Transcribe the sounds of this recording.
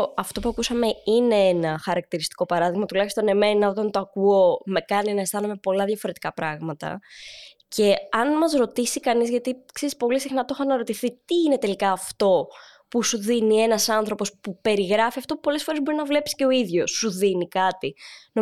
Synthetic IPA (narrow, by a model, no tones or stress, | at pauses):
ɐft̪o̞puɐkusɐme̞ine̞enɐxɐɾɐk̚t̪iɾist̪i̥ko̞pɐɾɐðiɣmɐt̪ulɐçist̪o̞ne̞me̞nɐo̞t̪ɐnt̪oɐkuo̞me̞kɐninɐest̪ɐnume̞po̞lɐðʝɐfo̞ɾe̞t̪i̥kɐpɾɐɣmɐt̪ɐ̰ | ce̞ɐnmɐzɾo̞t̪isikɐnizʝɐt̪ikse̞ɾispo̞lisixnɐt̪o̞xɐnɐɾo̞t̪iθit̪iːne̞t̪e̞likɐːft̪o̞ | pusuðinie̞nɐsɐnθɾo̞po̞spupe̞ɾiɣɾɐfiɐft̪o̞po̞le̞sfo̞ɾezbo̞ɾinɐvle̞psi̥ce̞o̞iðʝo̞sːuðinikɐt̪ino